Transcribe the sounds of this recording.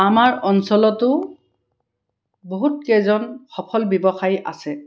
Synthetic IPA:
amaɹɔnsɔlɔtʊ | boɦutkɛzɔnxɔpʰɔlbjɔbɔxajʔa̰sɛ

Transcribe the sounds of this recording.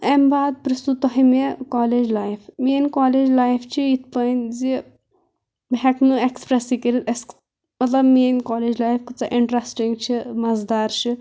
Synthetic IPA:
embaːd̪̚pɾist̪ut̪ːɔɦimekɔːled͡ʒlaːjfminʲkɔːleːd͡ʒlaːjft͡ʃʰiit̪̚ʰpɐnd͡zi | bʱɛknuekspɾesikiɾit̪es | mɐt̪lɐbmenkɔːled͡ʒlaːjfkut͡saʔiɳʈɾɐsʈiŋɡt͡ʃʰimɐzd̪aːɾʃi

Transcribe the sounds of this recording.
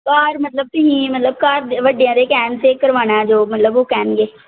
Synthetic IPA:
kaːɾmət̪ləb̚t̪ɪɦĩːmət̪ləbkaːɾd̪ʋəɖːejãːd̪eːkɛːnseːkəɾʋaːnãːd͡ʒoːmət̪ləboːkɛːnɡeː

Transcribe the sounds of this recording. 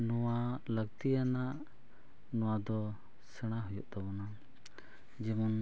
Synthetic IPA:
nɔwaləɡt̪ijanaʔ | nɔwad̪ɔ | sɛɽ̃aɦujɔʔt̪abɔna | d͡ʒɛmɔn

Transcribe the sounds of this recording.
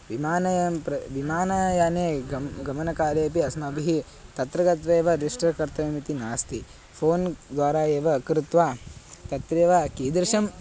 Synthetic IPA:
ʋimaːnɐjɐmpɾɐʋimaːnɐjaːneːɡɐɡɐmɐnɐkaːleːp̬iɐsmɐɐbʱiɦi | t̪ɐt̪ɾɐɡɐt̪ʋeːʋɐɾiʂʈɐkɐɾt̪ɐɐmit̪inaːst̪ʰi | pʰoːnd̪ʋaːɾaːeːʋɐːkɾɪt̪ʋaːt̪ɐt̪ɾeːʋakiːd̪ɾʃɐm

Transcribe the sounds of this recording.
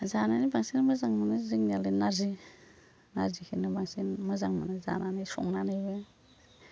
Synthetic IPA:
zananibaŋsinmɯzaŋmanɯzɯŋnialɯnaɾzi | naɾzikʰinɯbaŋsinmɯzaŋmanɯza̰nanɯjsɔ̰ŋnanɯjbɯ

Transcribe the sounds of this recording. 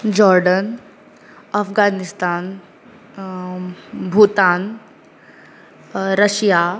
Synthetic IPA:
d͡ʑɔɾɖən | əfɡanist̪aːn | bʱut̪an | ɾəɕja

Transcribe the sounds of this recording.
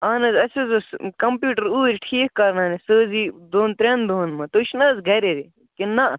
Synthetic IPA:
aːnɐzɐsezoskɐmpjuːʈəɾuːɾʲʈʰiːk̚kɐɾnaːnesəːzid̪oːnt̪ɾʲɐnd̪oːnmɐ̃t̪oʃnɐzɡɐɾeɾi | kina

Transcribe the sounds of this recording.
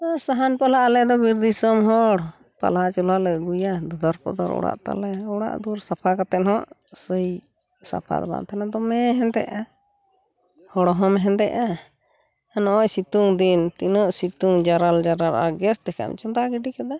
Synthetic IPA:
aɾsaɦanpalaʔalɛd̪ɔbiɾd̪isəmɦɔɽ | pa̰lat͡ʃulalɛɡujad̪ud̪aɾpɔ̰d̪ɔɾɔ̰ɽa̰ʔt̪a̰lɛɔɽa̰ʔd̪uɾsapʰakat̪ɛnhɔʔsəj | sa̰pʰa̰d̪ɔba̰nt̪ʰanad̪ɔmɛɦɛnt̪ɛ̰ʔa | hɔɽɔɦɔmɦɛnt̪ɛ̰ʔaː | nɔɔjsit̪uŋd̪int̪inəʔsit̪uŋd͡ʒaɾald͡ʒaɾala̰ɡɛsd̪ɛkʰa̰m̰t͡ʃɔnd̪aɡiɖikɛd̪a

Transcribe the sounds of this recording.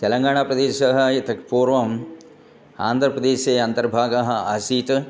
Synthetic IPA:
t̪ɛlɐŋɡaːɳ̃aːpɾɐd̪eːʃɐɦɐjɐt̪ɐkpuːɾʋɐm | a̰ːnd̪ʱɾɐpɾɐd̪eːʃeːɐnt̪ɐɾbʱaːɡɐɦɐasiːt̪

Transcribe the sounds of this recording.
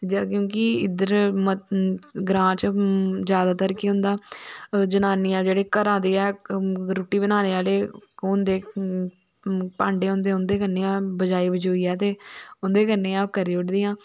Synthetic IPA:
d͡ʒkjõːkɪɪd̪əɾm | ɡɾãːt͡ʃd͡ʒjaːd̪aːt̪əɾkiːɦʊ̃nd̪aːd͡ʒənaːniːãːd͡ʒeːɽeːkəɾãːd̪eːɛːɾʊʈːiːbənaːneːaːleːʊ̃nd̪eː | pãːɳɖeːʊ̃nd̪eːʊnd̪eːkənːeːãːbəd͡ʒaːiːbəd͡ʒoːiːɛːt̪eːʊnd̪eːkəneːãːkəɾeːʊʈd̪ɪːãː

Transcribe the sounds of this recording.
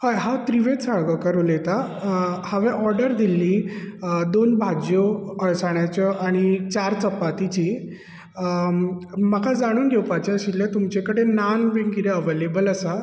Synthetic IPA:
hajɦat̪ɾiʋet̪saɭɡəkəɾulet̪a | həʋɛ̃ʔɔɾɖəɾd̪ʱilːiː | d̪onbʱad͡ʑjoəɭsaɳjat͡ɕəʔaɽ̃it͡ɕaɾt͡səpːat̪it͡ɕiː | makʰad͡zaɽ̃uːnd̪ewpat͡ɕaɕilːẽt̪umt͡ɕekəɽenanʋenkiɾeəʋelebələsa

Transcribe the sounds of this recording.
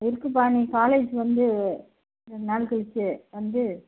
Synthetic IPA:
ɪɾɯkːɯp̬aːnikaːleːd͡ʒʋɐnd̪ɯ | naːlkɯɭɪt͡ʃːɯʋɐnd̪ɯ

